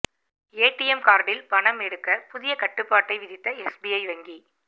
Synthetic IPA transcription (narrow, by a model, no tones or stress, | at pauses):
eːʈːɪjɛmkaːɾɖɪlpɐɳɐmɛɽɯkːɐpʊðɪjɐkɐʈːɯpːaːʈːɐɪʋɪðɪt̪ːɐɛsbiɐɪʋɐŋɡi